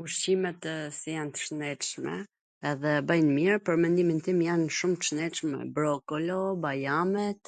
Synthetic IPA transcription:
uʃimɛt̪sijant̪ə̥ʃnɛʃmɛ̰ | ɛðɛbajnmiɾpəɾmɛnd̪imint̪imjanʃumt̪əʃnɛʃmɛ̰bɾɔkɔlɔbajamɛt̪

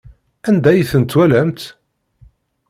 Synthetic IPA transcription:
ænd̪æjθənt̪ːwælæmt̪

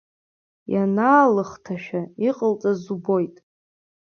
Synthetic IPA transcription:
janaːlɨχtʰaʃᶣaiqʼəlt͡sʼazubo̞jtʼ

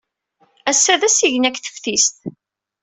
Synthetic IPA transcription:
æsːæðæsiʝnækθə̥fθist̪

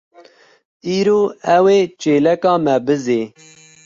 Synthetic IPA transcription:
iːɾoːɛweːt͡ʃeːlɛkɑːmɛbɨzeː

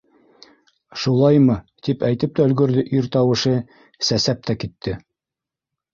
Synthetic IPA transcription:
ʃulˠɑjmɤ | t̪ipæjt̪ɘp̚t̪æɵ̆lɡɵ̆ɾðɘʔiɾt̪ɑwɤ̆ʃɤ | sæsæp̚t̪ʰækit̪ʰːɘ

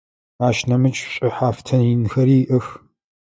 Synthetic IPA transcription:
aːʃnɐmɨt͡ʃʼɕʼɪħaːftʰɐnjɪnxɐɾiːʔɨx

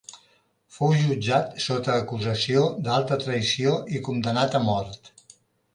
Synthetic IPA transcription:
fowʒud͡ʒat̪sot̪əːkuzəsiod̪alˠt̪ət̪ɾəisioʔikund̪ənat̪əmɔɾt̪

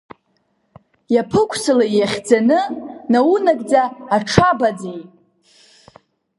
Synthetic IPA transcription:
japʰɨkʷʰsɨlajjaχʲd͡zanɨnawunaɡʼd͡zaːʈ͡ʂʰabad͡zejtʼ

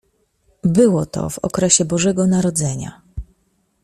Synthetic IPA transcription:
bɘwɔt̪ɔ̰vɔ̰kɾɛɕɛbɔʐɛɡɔnaɾɔd̪zɛɲa̰

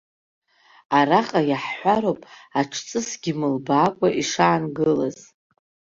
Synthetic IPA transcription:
aɾaqʼajaħħʷaɾowpʼaʈ͡ʂʰt͡sʼɨsɡʲɪmɨlbaːkʷʼaʔiʂaːnɡɨlaz

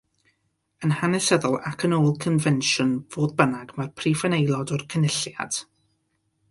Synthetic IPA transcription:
ənhanɛsəðɔlˠakʰənoːlˠkʰənvɛnʃʊnv̥oːðbənaɡmarpʰrifanejlˠɔdɔrkʰənɪɬja̰d̥

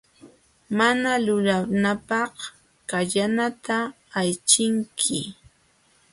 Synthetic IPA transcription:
manalʊlanapɑh | kaʎanat̪aː | jt͡ʃɪŋkʰɪ

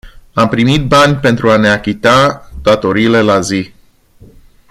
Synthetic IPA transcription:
ampɾimit̪̚banʲpe̞nt̪ɾuane̞akʲit̪ad̪̥at̪o̞ɾiːle̞lazi

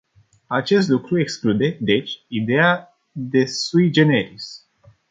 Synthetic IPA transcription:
at͡ʃe̞s̬t̪lukɾue̞ksklud̪e̞d̪e̞t͡ʃʲid̪e̞a | d̪e̞sujid͡ʒe̞neɾis

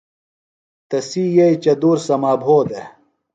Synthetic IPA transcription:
t̪ɐsiːjɐjt͡ɕɐd̪uːɾsɐmaːbʱoːd̪e

